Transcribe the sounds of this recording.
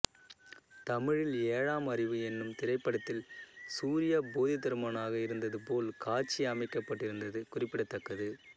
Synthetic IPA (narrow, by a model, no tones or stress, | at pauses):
t̪ɐmɪɻɪleːɻaːmɐrɪʋɯɛnːɯmt̪ɪɾɐɪpːɐɽɐt̪ːɪlsuːɾɪjaboːðɪt̪ːɐɾɯmaːnaːɣɐɪɾɯnd̪ɐðɯpoːlkaːt͡ʃːiɐmɐɪkːɐpːɐʈːɪɾɯnd̪ɐðɯkʊrɪpːɪɽɐt̪ːɐkːɐðɯ